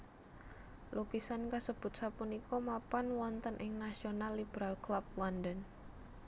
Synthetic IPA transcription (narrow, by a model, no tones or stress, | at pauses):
lukisankasəb̥ʊ̤t̪̚sapunikɔmapanwɔnt̪ənʔɪŋnasionalːibəɾalklap̚wandən